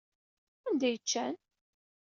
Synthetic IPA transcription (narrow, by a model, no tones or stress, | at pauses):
ænd̪æjət͡ʃːæn